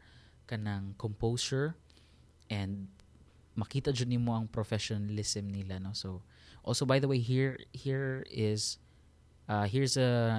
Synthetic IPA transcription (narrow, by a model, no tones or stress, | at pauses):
kɐnɐŋkompowsɛɹ | ʔɛ̃nd̪̚ | mɐkiːt̪ɐd͡ʒɐnɪnmoɐŋpɾofɛʃonɐlɪsɪmnɪlano̞sow | ʔo̰lsobajðɐwejɦiɹhiɹɪz | ʔaɦiɹsɐ